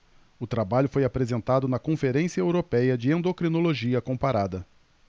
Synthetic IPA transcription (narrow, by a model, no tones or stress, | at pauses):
ʊt̪ɾabaʎʊfojapɾezẽnt̪ad̪ʊnɐkõfeɾẽsiɐewɾopɛjɐd͡ʒɪẽnd̪okɾinoloʒiɐkõpaɾad̪ɐ